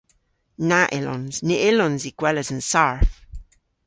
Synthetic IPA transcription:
naʔɪlɔ̰nz̥niʔɪlɔnziɡ̥wɛləzə̃nsaɹf

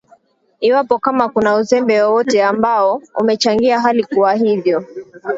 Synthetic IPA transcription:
iwapɔkamakunauzɛmbɛwɔwɔtɛambaɔṵmɛt͡ʃaŋɡiaɦalikuwaɦivjɔ

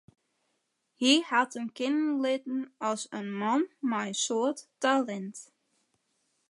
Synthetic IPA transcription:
hihatənkɪnənlɪtn̩ɔsənmɔnmajsoətːalɛnt

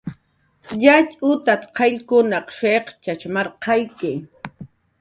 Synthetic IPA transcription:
jat͡ʃʼʊt̪at̪qʰɑʎkʊnɑqʃeqt͡ʃat͡ʃmɑɾqʰɑjkɪ

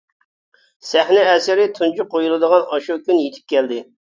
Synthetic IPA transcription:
sɛhnɪɛsɪɾɪt̪ʰunt͡ʃʰuqʰːojulˠɨd̪əʁɑnɑʃukʲynjet̪ʰɪ̥p̚kʲʰɛld̪ɪ

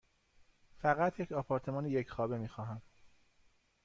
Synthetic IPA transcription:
fæɣæt̪ʰjecʰɒːpʰɒːɾt̪ʰe̞mɒːnejecʰxɒːbe̞miːxɒːɦæm

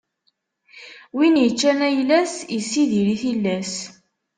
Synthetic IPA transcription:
winjət͡ʃːænæjlæsjisːiðiɾiθilːæs

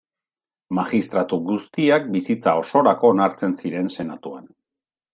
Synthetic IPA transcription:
maxist̪ɾat̪uɣust̪iak̚bisit͡sao̞so̞ɾako̞ːnaɾt͡se̞nsiɾe̞nse̞nat̪ua̰n

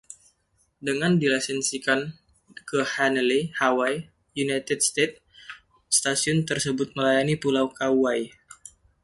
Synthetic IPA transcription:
dəŋandilasɛnsikan | kəhanəlihawaj | junajt̪əd̚st̪et̪̚ | st̪asiʊnt̪ərsəbʊt̪̚məlajanipulawkawaj

